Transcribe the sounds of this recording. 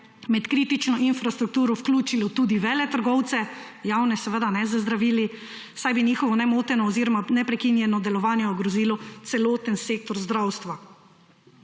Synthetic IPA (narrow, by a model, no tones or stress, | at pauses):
mɛt̪kɾiːt̪it͡ʃnɔʔinfɾast̪ɾuk̚t̪uːɾɔfklʲuːt͡ʃilɔt̪uːd̪iʋɛːlɛt̪əɾɡɔwt̪sɛ | jawnɛsɛʋəd̪anɛzazd̪ɾaʋiːli | sajbiniːxɔʋɔnɛmoːt̪ɛnɔːziːɾɔmanɛpɾɛkinjɛnɔd̪ɛlɔʋaːnjɛɔɡɾɔziːlɔt̪sɛloːt̪ənseːk̚t̪ɔɾzd̪ɾawst̪ʋa